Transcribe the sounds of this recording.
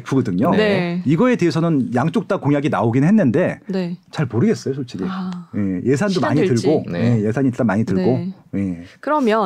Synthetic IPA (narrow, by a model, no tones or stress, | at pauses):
epʰuɡʌdɯŋoneiɡʌe̞teɦesʰʌnɯnjaŋt͡ɕ͈ok̚t͈akoŋjaɡinaoɡinɯnɦenːɯnde̞net͡ɕaɭmoɾɯɡe̞s͈ʌjosʰot͡ɕʰiɾije̞je̞sʰandomaɲitɯɭɡoje̞je̞sʰaɲit͈amaɲitɯɭɡoje̞kɯɾʌmjʌ